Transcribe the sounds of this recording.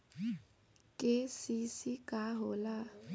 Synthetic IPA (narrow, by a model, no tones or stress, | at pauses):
kʼɪsɪsɪkʼaɦʊla